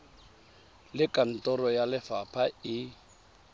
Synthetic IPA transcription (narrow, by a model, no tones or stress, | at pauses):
lɪkʼan̩tʼɔrɔjalɪfapʰaɪ